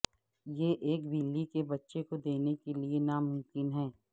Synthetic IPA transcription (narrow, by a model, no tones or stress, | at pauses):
jeːʔeːkbʱiːlːikebɐtːʃekod̪eːnekelienamʊ̃mkɪnɦɛ̃ː